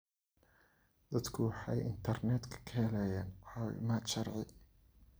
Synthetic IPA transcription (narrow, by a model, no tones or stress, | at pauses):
d̪ɐd̪kʰʊwɑħɑjɪ̰nt̪ʰɐrnɛd̪kʰɐ̥kʰɐhɛlɛːjaːnʕɑw̰maːʃɐrʕɪ